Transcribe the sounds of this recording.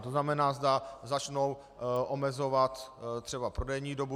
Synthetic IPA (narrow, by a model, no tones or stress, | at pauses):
t̪oznamɛnaːzdazat͡ʃno̞w | ʔomɛzo̞vat̪t̪r̥ɛbapɾo̞dɛjɲiːdo̞bu